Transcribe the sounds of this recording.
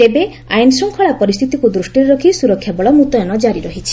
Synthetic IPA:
t̪ebe | a̰jnsɔŋkʰɔɭapɔɾist̪ʰit̪ikud̪ɾusʈiɾeɾɔkʰisuɾɔkʰːjabɔɭɔmut̪ɔjɔnɔd͡ʒaɾiɾɔɦit͡ʃʰi̥

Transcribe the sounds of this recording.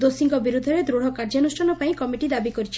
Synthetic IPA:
d̪osiŋɡɔbiɾud̪ʱːɔɾed̪ɾuɽ̤ɔkaɾd͡ʒanusʈʰanɔpaĩkɔmiʈid̪abikɔɾit͡ʃʰi̥

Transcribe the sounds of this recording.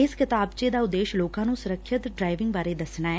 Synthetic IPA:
ɪskɪt̪aːbt͡ʃeːd̪aːʊd̪ːeːʃloːkãːnũːsʊɾəkʰʃɪt̪ɖɾaːɪʋɪ̃ŋɡbaːɾeːd̪əsnaːɛː

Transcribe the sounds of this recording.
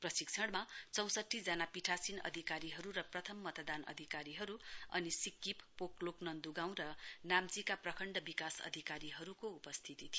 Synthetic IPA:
prʌsik̚t͡sʰʌɽmat͡sʌw̃sʌʈʰːid͡zanapiʈʰasinʌ̰d̪ʱikaɾiɦʌɾuɾʌprʌt̪ʰʌmːʌt̪ʌd̪anʌ̰d̪ʱikaɾiɦʌɾuʌ̰nisikːippokloknʌnd̪uɡaw̃ɾʌnamt͡sikaprʌkʰʌɳɖʌbikasʌ̰d̪ʱikaɾiɦʌɾukoupʌst̪ʰit̪it̪ʰi

